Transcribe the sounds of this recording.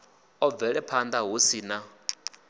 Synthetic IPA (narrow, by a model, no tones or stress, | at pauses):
ɔvɛɺɛpʰand̪aɦusiːna